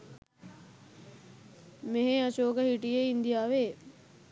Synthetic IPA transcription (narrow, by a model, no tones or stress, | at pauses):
meɦeaʃoːkəhiʈijeind̪ijaːʋeː